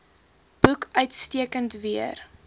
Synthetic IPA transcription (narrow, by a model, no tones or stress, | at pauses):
b̥ukœɥtstiəkəntviər